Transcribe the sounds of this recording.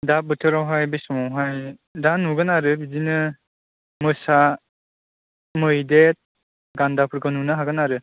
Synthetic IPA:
dap̚bɯtʰɯɾawɦajbesɔmawɦaj | danuɡɯnaɾɯbidinɯ | mɯsa | mɯjdet̚ | ɡandapʰɯɾɡɯnunɯɦaɡɯnaɾɯ

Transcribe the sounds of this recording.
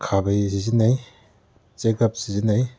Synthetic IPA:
kʰabajsizinaj | t͡ʃeɡɐp̚sizinaj

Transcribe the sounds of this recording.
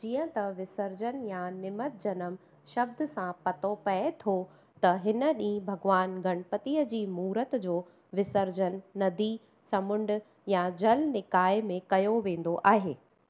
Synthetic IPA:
d͡ʑiːə̃t̪ɐʋɪsəɾd͡ʑənjãnɪmət̪̚d͡ʑɐnəm | ʃɐb̚d̪ʊ̆sãpɐt̪opɐet̪ʰo | t̪ɐɦɪnə̆ɗĩːbʱɐɡʋaːnɡʱɐɽ̃pət̪iəd͡ʑiːmuːɾət̪d͡ʑoː | ʋɪsəɾd͡ʑənːɐd̪i | sɐmʊ̃ɳɖʊ̆ | jãd͡ʑɐlnɪkaːɪmẽkɐjoʋẽːn̆d̪oʔaːɦeː

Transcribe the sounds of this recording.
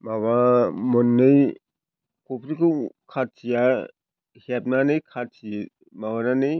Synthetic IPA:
maβamɔnːɯj | kʰɔpʰɾikʰɯwkʰatʰija | hep̚nanɯjkʰatʰi | maβananɯj

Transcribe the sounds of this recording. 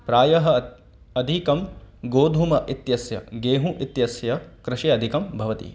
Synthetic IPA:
pɾaːjɐɦɐ̆ | ɐd̪ʱikɐmɡoːd̪ʱumɐʔit̪jɐsjɐ̰ɡeːɦũʔit̪jɐsjɐkɾɪʃiɐd̪ʱikɐmbʱɐʋɐt̪ḭ

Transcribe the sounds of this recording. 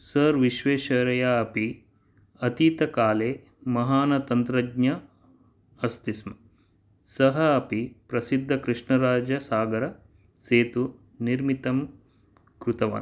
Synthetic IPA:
sɐɾʋiʃʋeːʃɐɾɐjaːɐpi | ɐt̪it̪ɐkaːleː | mɐɦaːnɐt̪ɐnt̪ɾɐɡɲɐ | ɐst̪ismɐ | sɐɦɐːpipɾɐsid̪ʱːɐkɾiʂɳɐɾaːd͡ʒɐsaːɡɐɾɐ | seːt̪u | niɾmit̪ɐm | kɾut̪ɐʋa̰ːn

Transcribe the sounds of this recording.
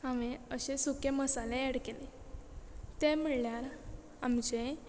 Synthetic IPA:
aʋẽəɕesukeməsalẽeɽkele | t̪emiɭːjaɾ | amt͡ɕe

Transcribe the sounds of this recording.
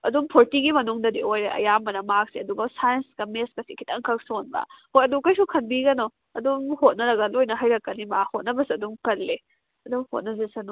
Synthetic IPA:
ɐdumpʰoɾtiɡimɐnuŋdɐdiojɾeʔɐ̰jambɐnɐmak̚siɐduɡɐsajɐnsɡɐmeskɐsikʰitɐŋkʰɐk̚sonbɐ̰hojɐdukɐjsukʰɐnbiɡɐno | ɐduŋhot̚nɐɾɐɡɐlojnɐɦɐjɾɐkːɐnimahot̚nɐbɐsiɐduŋkɐlle | ɐduŋho̰t̚nɐzesɐnu

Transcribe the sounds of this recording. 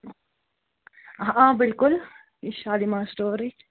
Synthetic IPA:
ʔãbɪlkʊl | ɪʃaːlimãːsʈoːɾi

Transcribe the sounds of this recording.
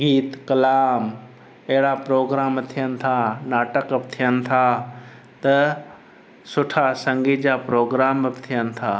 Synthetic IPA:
ɡiːt̪kɐlaːm | ɐɦɪɽapɾoːɡɾaːmt̪ʰijənɪ̆t̪ʰanaːʈəkəpt̪ʰijənɪ̆t̪ʰa | t̪ɐ | sʊʈʰasɐ̃ŋɡid͡ʑapɾoːɡɾaːməpt̪ʰijənɪ̆t̪ʰaː

